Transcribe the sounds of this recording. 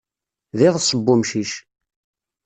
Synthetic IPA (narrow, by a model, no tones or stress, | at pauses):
ðɪðˤsˤəbːʊmʃiʃ